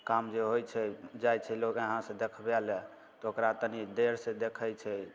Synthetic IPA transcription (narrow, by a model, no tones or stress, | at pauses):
kamd͡ʒeɦojt͡ʃʰɛd͡ʒajt͡ʃʰɛlokəɦãsə̃d̪ekʰbɛlɛ | t̪ɔokɾat̪ənid̪eɾsed̪ekʰəjt͡ʃʰɛ